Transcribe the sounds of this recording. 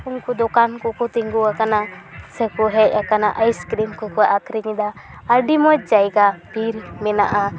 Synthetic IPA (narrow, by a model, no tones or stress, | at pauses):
unkud̪ɔkankɔkɔt̪iŋɡuakanasəkɔɦɛc̚ˀakanaʔajskɾinkɔkɔaʔakʰɾiɲid̪a | əɾɖimɔt͡ʃ̚d͡ʒajɡabʱiɾmɛnaʔa